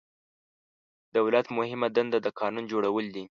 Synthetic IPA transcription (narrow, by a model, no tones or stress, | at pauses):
d̪̥awlat̪mʊhɪmad̪and̪ad̪əkʰɑnund͡ʒoɽawəld̪i